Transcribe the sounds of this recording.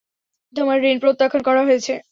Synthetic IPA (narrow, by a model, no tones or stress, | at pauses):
t̪omaɾːinpɾot̪ːakʰonkɔɾaɦojet͡ɕʰe